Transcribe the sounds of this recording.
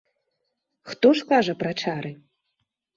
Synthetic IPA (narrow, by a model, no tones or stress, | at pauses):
xt̪oʂkaʐɐpraʈ͡ʂʰaɾʔɨ